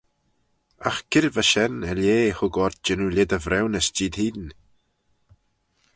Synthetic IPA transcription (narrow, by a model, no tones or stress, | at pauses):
axkʰɪɾvaʃɛnɛljeːhʊɡɔɾt̪̚d͡ʒɛnulʲɪd̪əvɾɛwnəsd͡ʒiːd̪hiːd̪n